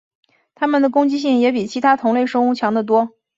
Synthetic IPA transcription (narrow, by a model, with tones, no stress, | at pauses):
t̪ʰa˥mə˨nd̪ə˩kʊ˥ŋt͡ɕi˥ɕ̬i˥˩ŋjɛ˧˥pi˨˩t͡ɕʰi˧˥t̪ʰa˥t̪ʰʊ˧˥ŋle˥˩ɪʂɤ˥ŋu˥˩t͡ɕʰjɑ˧˥ŋd̪ə˧t̪̬wɔ˥